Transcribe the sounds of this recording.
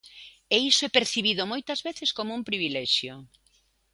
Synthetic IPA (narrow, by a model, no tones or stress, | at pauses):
eisoɛpeɾθiβiðomojt̪ɐzβeθeskomoumpɾiβ̞ilɛʃjo